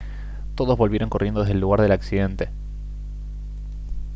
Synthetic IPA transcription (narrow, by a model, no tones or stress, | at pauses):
t̪o̞ðo̞zβo̞lβje̞ɾoŋko̞rʔje̞nd̪oeðelːuɣaɾðe̞laksiðe̞nt̪e